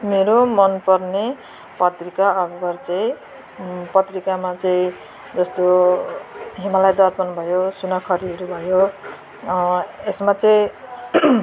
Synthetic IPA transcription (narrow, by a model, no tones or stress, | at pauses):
meɾomʌnpʌrne | pʌt̪rikaʌbʌbʌrt͡sʌĩ | pʌt̪rikamat͡sʌĩ | d͡zʌst̪o | ɦimalajd̪ʌɾpʌnbʱʌjosunʌkʰʌɾiɦʌɾubʱʌjo | esmat͡sʌĩ